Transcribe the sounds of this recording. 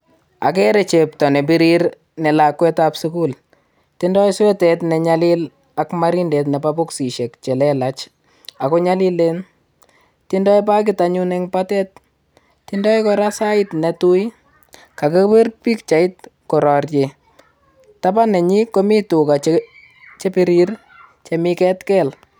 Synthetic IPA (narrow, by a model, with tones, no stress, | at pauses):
a̰˨kɛɾe˨t͡ʃep̚tɔ˨ne˨bi˦ɾiɾ | nɛ˨lakwɛ˦tapsuku˦l | tindɔ˦jswɛ˦tɛ˨tnɛ˨ɲalɪl | akmaɾinde˨tnɛ˨pabʊksi˨ʃe˨kt͡ʃɛ˨lɛlat͡ʃ | a˨ko˦ɲali˦len | tindɔ˦jp̬a˦k̬ɪtaɲunɛŋpatɛ˦t̚ | tindɔ˦jkɔɾasa˦ɪtnɛtu˦j | ka˨ke˦pe˦rpi˦kt͡ʃa˨it̚kɔ˨ɾɔ˨rje | tapa˦nɛ˨ɲi˦ko˦mi˦tu˨ka˨t͡ʃe | t͡ʃe˦piɾir | t͡ʃemikɛtkɛl